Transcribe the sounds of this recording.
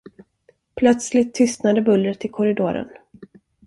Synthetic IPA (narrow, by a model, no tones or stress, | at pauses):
pʰlœt̪slɪt̪ʰːʏst̪nad̪əbɵlːɾət̪ʰːɪlkʰɔɾɪd̪oːɾə̰n